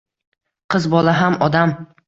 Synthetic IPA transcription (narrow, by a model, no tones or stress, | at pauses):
qʰɨzbɒlˠaɦamɒd̪am